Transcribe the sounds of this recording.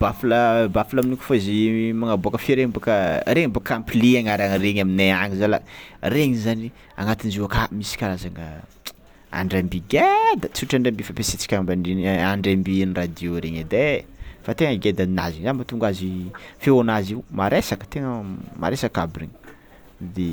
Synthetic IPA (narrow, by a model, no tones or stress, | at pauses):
b̥afləbafilaminikʲu̥foizimaŋaboakəfeɾeŋbakəɾeŋimbakampiliaŋaɾaŋɾeɲamineaŋizala̰reŋizani | a̰ŋat̪inizuakamisi̥kʲaɾazaŋə̰ | a̰ɳɖ͡ʐambiɡed̪at͡suʈ͡ʂaɳɖ͡ʐambifapeset͡si̥kʲaŋmbaninaɳɖ͡ʐambinrad̪ioɾeɲəd̪efat̪eŋəɡed̪anina̰ziɲzambat̪uŋɡazifeonaziumaɾesakə̥t̪eŋəma̰ɾesakabirḛɲi̥ | d̪e